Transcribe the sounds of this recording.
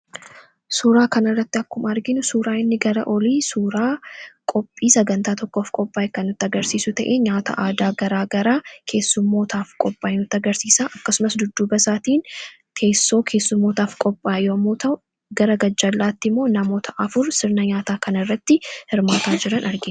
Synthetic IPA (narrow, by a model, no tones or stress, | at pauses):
suːɾaːkɐnɪrːɐt̪ːɪɐkːʊmɐɾɡɪnʊsuːɾaːɪnːɪɡɐɾɐ̰ʔɔliːsuːɾaːkʼɔpʼːiːsɐɡɐnt̪aːt̪ɔkːo̞ːfkʼɔpʼːaːjɛkɐnːʊt̪ːɪɐɡɐɾsiːsʊt̪ɐʔeːɲaːt̪ɐ̰ʔaːd̪aːɡɐɾaːɡɐɾaːkʰe̞ːsːʊmːoːt̪aːfkʼɔpʼːaːjnʊt̪ːɐɡɐɾsiːsaːʔɐkːɐsʊmɐsd̪ʊd̪ːuːbɐsaːt̪iːn | kʰe̞ːsːo̞ːkʰe̞ːsːʊmːoːt̪aːfkʼɔpʼːaːjjoːmːoːt̪ɐʔʊ | ɡɐɾɐɡɐd͡ʒːɐlːaːt̪ːɪmːo̞ːnɐmoːt̪ʰɐʔɐfʊɾsɪɾnɐɲaːt̪aːkɐnɪrːɐt̪ːɪhɪɾmaːt̪aːd͡ʒɪɾɐnʔɐɾɡɪn